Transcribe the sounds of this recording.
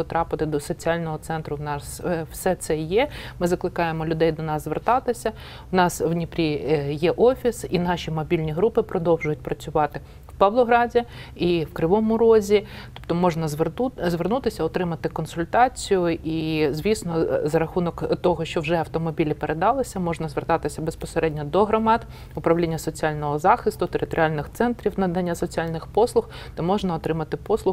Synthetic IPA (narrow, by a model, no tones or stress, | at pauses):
ɔt̪ɾɑpɪt̪ɪd̪ɔsɔt͡sʲiɑlʲnɔɦɔt̪sɛnt̪ɾʊwnɑswsɛt̪sɛjɛmɪzɐklˠɪkɑjemɔlʲʊd̪ɛjd̪ɔnɑszʋert̪ɑt̪ɪsʲɐ | wnɑswnʲipɾʲijɛʔɔfʲisinɑʃʲimɔbʲilʲnʲiɦɾupɪpɾɔd̪ɔwʒʊjʊt̚ʲpɾɐt͡sʲʊʋɑt̪ɪ | wpɐwlˠɔɦɾɑdʲiiwkɾɪʋɔmʊɾɔzʲit̪ɔ̥pt̪ɔmɔʐnɐzʋzʋernut̪ɪsʲɐɔt̪ɾɪmɐt̪ɪkɔnsʊlʲt̪ɑt͡sʲijʊizʲʋʲisnɔzɐɾɐxunɔkt̪ɔɦɔʃt͡ʃɔwʒɛɐwt̪ɔmɔbʲilʲipeɾed̪ɑlˠɪsʲɐmɔʒnɐzʋert̪ɑt̪ɪsʲɐbespɔseɾɛdʲnʲɔd̪ɔɦɾɔmɑt̪ | ʊpɾɐʋlʲinʲːɐsɔt͡sʲialʲnɔɦɔzɑxɪst̪ʊt̪eɾɪt̪ɔɾʲalʲnɪxt̪sɛnt̪ɾʲiwnɐd̪ɐnʲːasɔt͡sʲialʲnɪxpɔslˠʊx | t̪ɔmɔʒnɐɔt̪ɾɪmɐt̪ɪpɔslˠʊ